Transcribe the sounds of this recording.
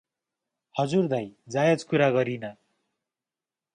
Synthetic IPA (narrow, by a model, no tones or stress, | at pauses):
hʌd͡zurd̪ʌjd͡zajʌd͡zkuɾaɡʌɾinʌ